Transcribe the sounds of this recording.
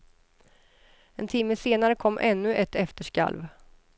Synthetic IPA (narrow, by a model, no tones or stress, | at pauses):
ɛnt̪ʰɪmːəseːnaɾəkʰɔmːʔɛnːɵʔɛt̪ːɛft̪əʂka̰lv